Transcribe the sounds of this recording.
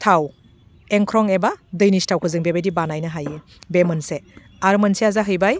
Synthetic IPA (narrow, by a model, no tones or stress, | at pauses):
tʰaw | eŋkʰɾɔŋebadɯjnistʰawkʰɯzɯŋbebedibanajnɯɦaje | bemɯnse | aɾmɯnseazaɦɯjbaj